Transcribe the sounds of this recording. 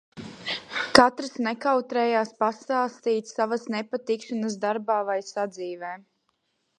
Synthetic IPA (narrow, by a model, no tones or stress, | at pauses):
kat̪ɾasnekawt̪ɾɛjaːspast̪aːst̪iːt̪savasnepat̪ikʃanəs̬d̪aɾbaːvajsad̪ziːvɛː